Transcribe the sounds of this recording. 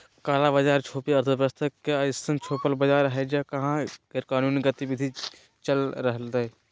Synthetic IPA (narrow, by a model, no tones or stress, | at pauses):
kaːlabəd͡ʒaːɾt͡ʃʰoːpiɐɾt̪ʰəpɾəst̪ʰəkːeaɪsənt͡ʃʰoːpəlbəd͡ʒaːɾɦɛd͡ʒakɐɦãɡeɾkaːnuːniɡət̪ibɪd̪ʱi | t͡ʃəlɾəɦlt̪a